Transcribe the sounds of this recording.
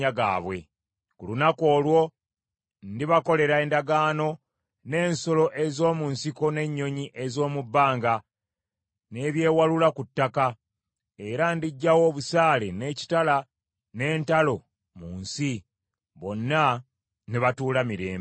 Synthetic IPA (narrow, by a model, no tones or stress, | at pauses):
aɡa̰ːβwe̞̰ | kulunako̞ːlwo̞ | ndiβako̞le̞ɾaeːndaɡaːno̞ | ne̞ːnso̞lo̞ʔezo̞ːmunsiko̞ne̞ɲːo̞ɲiʔe̞zo̞ːmubːaːŋɡa | ne̞ːβje̞ːwalulakutːaka | e̞ɾandiɟːawo̞ːβusaːle̞ne̞ːci̥tala | ne̞ːntalo̞ | muːnsi | βo̞nːa | niβatuːlamiɾe̞̰ːmb